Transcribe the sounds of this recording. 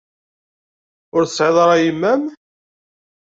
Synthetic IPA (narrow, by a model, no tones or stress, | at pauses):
ʊɾθsʕeðˤɾˤɑjimːæn